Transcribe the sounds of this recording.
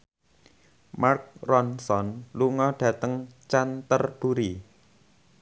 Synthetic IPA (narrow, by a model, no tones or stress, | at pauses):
mark̚rɔnsɔnluŋɔɖ̥ä̤t̪əŋt͡ʃant̪ərb̥uɾi